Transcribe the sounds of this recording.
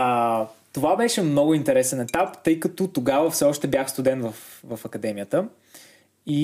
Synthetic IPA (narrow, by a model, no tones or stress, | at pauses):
t̪ovabɛʃɛmnɔɡʊint̪ɛɾɛsɛnɛt̪apt̪ɤjkət̪ot̪oɡavəfsɛɔʃt̪ɛbjaxst̪ʊd̪ɛnvəf | vɐfɐkɐd̪ɛmijət̪ə | i